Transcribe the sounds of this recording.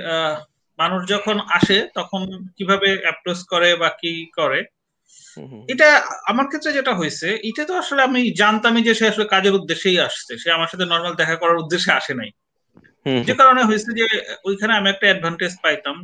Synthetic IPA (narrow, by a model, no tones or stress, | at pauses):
manuʃd͡ʑɔkʰonaʃet̪ɔkʰonkibʱabeɛp̚ɾoskɔɾebakikɔɾe | ejʈaamaɾkʰet̪ːɾed͡ʑeʈaɦojt͡ɕʰeʔejʈat̪oaʃoleamid͡ʑant̪amid͡ʑeʃeaʃolekad͡ʑeɾud̪ːeʃejaʃt͡ɕʰeʃeamaɾʃat̪ʰenɔɾmald̪ɛkʰakɔɾaɾud̪ːeʃːeaʃena̰j | d͡ʑekaɾoneɦojt͡ɕʰed͡ʑeojkʰaneamiɛk̚ʈaɛɖ̚bʱaɳʈes̚pajt̪am